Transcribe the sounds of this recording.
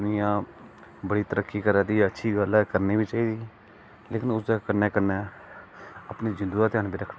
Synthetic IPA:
nijãː | bəɽiːt̪əɾəkːiːkəɾãːd̪iːətːʃʰiːɡəlɛkəɾniːbiːt͡ʃaːiːd̪iː | leːkɪnʊsd̪aːkəɾneːkəɾneː | əpniːd͡ʒɪnd̪uːɾat̪ːaːnbiːɾəkʰː

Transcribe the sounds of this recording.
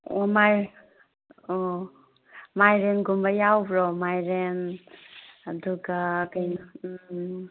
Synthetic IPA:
omaj | o | majɾenɡumbajawbɾɔmajɾen | ɐduɡakajna

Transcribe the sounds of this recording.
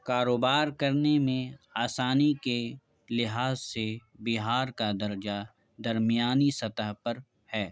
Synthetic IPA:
kaːɾoːbaːɾkɐɾnemẽaːsaːnike | lɪɦaːzsebiɦaːɾkad̪ɐɾd͡ʒa | d̪ɐɾmijaːnisɐt̪əɦpɐɾ | hɛː

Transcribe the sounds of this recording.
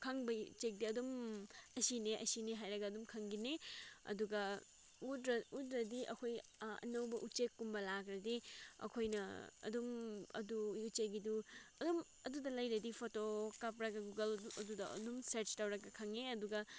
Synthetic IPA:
kʰɐŋbɐut͡ʃek̚diɐdumɐsineʔɐsineɦajɾɐɡɐːdumkʰɐŋɡineɐ̰duɡɐ | udɾɐutɾɐdiʔɐkʰojɐ̰nɐwbɐʔut͡ʃekːumbɐlakɾɐdiɐ̰kʰojnɐ̰ɐ̰dumɐ̰dujut͡ʃeɡiduɐdum | ɐdudɐlɐjɾɐdipʰotokap̬ɾɐɡɐɡuɡɐlɐdudɐɐ̰dumseɾt͡ʃtɐwɾɐɡɐkʰɐŋeɐduɡɐ

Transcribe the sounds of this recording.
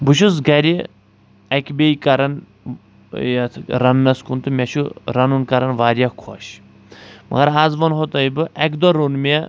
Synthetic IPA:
buʃ̬us̬ɡɐɾʲi | ɐkʲbʲeikɐɾɐn | jat̪ʰɾɐnːɐskunt̪ɨmʲɛʃʰuɾɐnunkɐɾɐnʋaːɾjakʰɔ̰ɕ | mɐ̰ɡɐɾaːzʋɐnɦot̪ɐibɨʔɛkd̪ɔɾonmɛ

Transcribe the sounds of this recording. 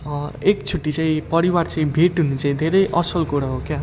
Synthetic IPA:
ekt͡sʰuʈːit͡sãĩpʌɾiwart͡saĩbʱeʈɦunut͡saĩd̪ʱeɾʌjʔʌsʌlkoɽaɦokja

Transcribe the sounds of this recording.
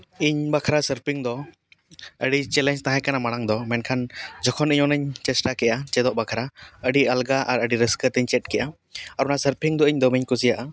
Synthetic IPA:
iɲbakʰaɾasəɾpʰiŋd̪ɔ | əɖit͡ʃɛlɛɲd͡ʒt̪ãɦãɛ̃kanamaɽ̃aŋd̪ɔmɛnkʰand͡ʒɔkʰɔniɲɔnəɲt͡ʃɛsʈakɛʔat͡ʃɛd̪ɔʔbakʰaɾaəɖiəlɡaʔa̰ɾəɖiɾəskət̪əɲt͡ʃɛʈ̚kɛʔa | aɾnasəɾpʰiŋd̪ɔiɲd̪ɔmiɲkusijaʔa

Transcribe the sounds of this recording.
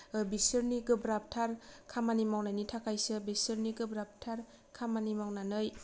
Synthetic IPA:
bisɯɾniɡɯbɾap̚tʰaɾkʰamanimawnajnitʰakʰajsɯbisɯɾniɡɯbɾap̚tʰaɾ | kʰamanimawnanɯj

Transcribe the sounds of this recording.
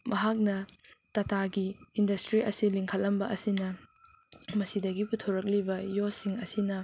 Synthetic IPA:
mɐɦak̚nɐtɐtaɡiindɐstɾiʔɐsiliŋkʰɐlːɐmbɐʔɐsinɐ | mɐsidɐɡiputʰoɾɐk̬̚libɐjosiŋɐsinɐ

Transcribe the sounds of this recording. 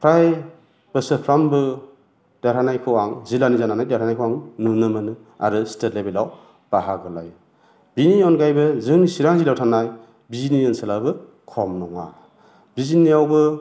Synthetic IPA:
pʰɾaj | b̥əsɯpʰɾambɯ | d̥aɾʰanajkʰɯwaŋzilanizananajdaɾʰanajkʰowaŋnunɯmɯnɯ | a̰ɾɯstetlebelaw | b̥aɦaɡɯla̰j | biniɔnɡajbɯzɯnisiɾaŋzilawtʰanaj | biziniɯnsalabɯ | kʰɔmnɔŋa̰ | bizinijawbɯ

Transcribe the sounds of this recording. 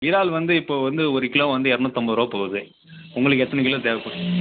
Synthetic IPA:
ʋɪɾaːlʋɐnd̪ɯɪpːoːʋɐnd̪ɯɔɾɪkːɪlõːʋɐnd̪ɯɛɾɐnõːt̪ɐmbɐɾoːpoːɣɐðɯ | ʊŋɡɐɭɯkːɛt̪ːɐnɐɪkːɪlɐ̃d̪eːʋɐpːɐɽ

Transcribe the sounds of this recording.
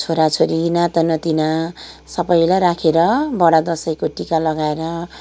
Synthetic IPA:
t͡sʰoɾat͡sʰoɾinat̪ʌnʌt̪inasʌbʌjlaɾakʰeɾʌbʌɽad̪ʌsʌjkoʈikalʌɡaeɾʌ

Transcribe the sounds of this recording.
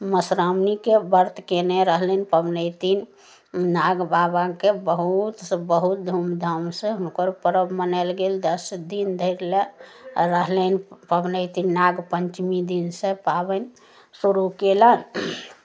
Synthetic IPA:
məsɾamnikebəɾt̪keneɾəɦlənpəbnət̪in | naɡbabakebəɦut̪sbəɦut̪̚d̪ʱumd̪ʱəmsẽɦunkəɾpəɾəbmənəlɡeld̪əsd̪ind̪ʱəɾleɾəɦlənpəbnəjt̪inːaɡpəɲt͡ʃmid̪insẽpabən | suɾukelən

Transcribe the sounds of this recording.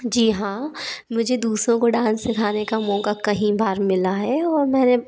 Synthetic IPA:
d͡ʒiːɦãːmʊd͡ʒʱed̪uːsɾõkoɖãːsːekʰaːnekamɔ̃ːɡakɐɦĩbʱaːɾmɪlaɦɛɔːɾmɛ̃ːne

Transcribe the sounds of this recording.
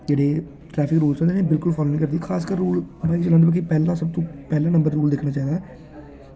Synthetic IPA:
d͡ʒeːɽeː | ʈɾɛːpʰɪkɾuːlsɔ̃nːd̪eːnebɪlkʊlfʰaːloːnĩːkəɾd̪ikʰaːskəɾːuːlbaːit͡ʃəlãːɖ̪baːkipɛːlãːsəb̚t̪õːpɛːlãːnə̃mbəɾɾuːld̪ɪkʰnãːt͡ʃaːiːd̪aː

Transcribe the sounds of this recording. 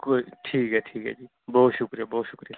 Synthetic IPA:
koʈʰiːkɦɛʈʰiːkɦɛ̰ːd͡ʒiː | bɔɦt̪ʃʊkɾijabɔɦːt̪ʃʊkɾija

